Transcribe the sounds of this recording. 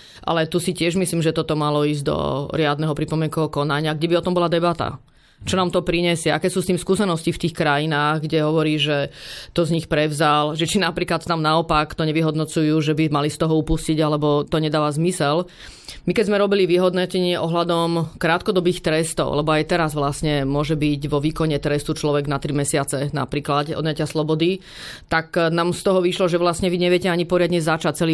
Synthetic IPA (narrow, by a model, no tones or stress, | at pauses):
ʔa̰lɛt̪usicɪɛʒmisliːmʒɛt̪ɔt̪ɔmalɔiːzɟd̪ɔ̰ɾɪad̪nɛɦɔpɾipɔmɪɛŋkɔɔkɔnaɲɪaɡɟɛbiɔt̪ɔmbɔlad̪ɛbat̪a̰ | t͡ʃɔnaːmt̪ɔpɾiɲɛsɪɛʔakɛːsuːst̪iːmskusɛnɔscift̪iːxkɾajinaːɣɡɟɛɦɔʋɔɾiːʒɛt̪ɔzɲixpɾɛvzalʒɛt͡ʃinapɾiːklat̪t̪amnaɔpakt̪ɔɲɛʋiɦɔd̪nɔt͡sujuːʒɛbimalist̪ɔɦɔupusciɟalɛbɔt̪ɔɲɛd̪aːʋazmisɛl | mikɛzmɛɾɔbiliʋiɦɔd̪nɔcɛɲɪɛʔɔɦlad̪ɔmkɾaːt̪kɔd̪ɔbiːxt̪ɾɛst̪ɔ̰ʊlɛbɔajt̪ɛɾazʋlasɲɛmʊɔʒɛbiɟʋɔʋiːkɔɲɛt̪ɾɛst̪ut͡ʃlɔʋɛɡnat̪ɾimɛsɪat͡sɛna̰pɾiːklat̪ɔ̰d̪ɲacɪaslɔbɔd̪i | t̪aknaːmst̪ɔɦɔʋiʃlɔʒɛʋlasɲɛʋiɲɛʋɪɛcɛaɲipɔɾɪad̪ɲɛzat͡ʃac̚t͡sɛli